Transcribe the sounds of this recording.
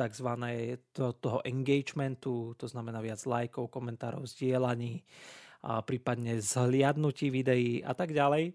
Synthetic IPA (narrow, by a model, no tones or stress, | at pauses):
t̪aɡzʋanɛːt̪ɔɦɔʔɛŋɡɛjd͡ʒmɛnt̪ut̪ɔznamɛnaːʋɪad͡zlajkɔʊkɔmɛnt̪aːɾɔ̰ʊzɟɪɛlaɲiː | pɾiːpad̪ɲɛzlɪad̪nuciːʋid̪ɛjiːʔa̰t̪aɡɟalɛj